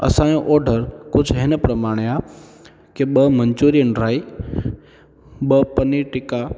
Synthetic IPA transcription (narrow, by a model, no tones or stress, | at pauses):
ə̰sãːjõʔoːɖʱəɾkʊd͡ʒʱɦɪnəpɾəmaːɽ̃eaː | keɓəməɲt͡ʃoːɾiəɳɖɾaːi | ɓəpəniʈɪka